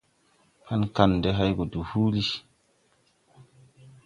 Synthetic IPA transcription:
ha˦nka˦˨nde˦ɦa˦jɡo˨du˨hu˦li˦

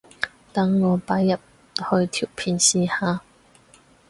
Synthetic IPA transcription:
t̪ɐ˧˥ŋːɔː˨˧paː˨˧˥jːɐ˨p̚ | hɵ˧ɥt̪ʰiː˨˩wpʰiː˨˧nsiː˧haː˨˧

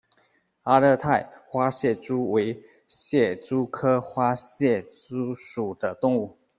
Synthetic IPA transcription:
a˥lə˥˧t̪ʰa˥˨ɪxwa˥ɕjɛ˥˩ʈ͡ʂu˥we˧˥ɪ | ɕjɛ˥˩t͡su˦kʰɤ˥xwa˥ɕjɛ˥˩t͡su˥ʂu˨˩d̪̥ə˦t̪ʊ˥˧ŋu˥˩

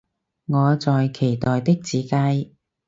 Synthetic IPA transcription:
ŋɔː˨˧t͡sɔː˨jkʰe˨˩jt̪ɔː˨jt̪ɪ˥k̚t͡siː˨˥ka˧j

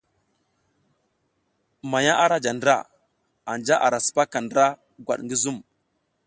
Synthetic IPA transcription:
ma˨ja˦ʔa˦ɾa˦d͡ʒa˨ndɾa̰˦˨ | a˨nd͡ʒa˦ʔa˨ɾa˨su̥˨pa˦ka˨ndɾa˦ | ɡwa̰˨ɗŋɡi˦zu˦m

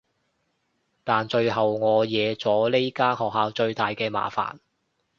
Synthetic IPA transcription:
t̪aː˨nt͡ʃɵ˧ɥɦɐ˨wŋɔː˨˧jɛː˨˧t͡sɔː˨˥le˥jkaː˥hɔː˨k̚haː˧wt͡ʃɵ˧ɥt̪aː˨jkɛː˧ma̰ː˨fa̰ː˨n

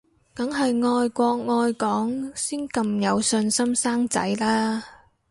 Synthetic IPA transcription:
kɐ˨˥ŋɦɐ˨jŋɔː˧jkʷɔː˧k̚ŋɔː˧jkɔː˨˥ŋsiː˥nkɐ˧mjɐ˨˧wsɵ˧nsɐ˥msaː˥ŋt͡sɐ̰˨˥jlaː˥

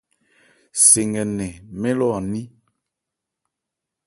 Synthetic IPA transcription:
se˨ŋɡɛ˨nɛ˨mɛ˦lɔ˦˨ni˦

